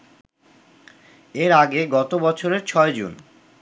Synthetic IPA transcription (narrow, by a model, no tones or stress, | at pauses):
eɾaɡeɡɔt̪obɔt͡ɕʰoɾeɾt͡ɕʰɔed͡ʑṵn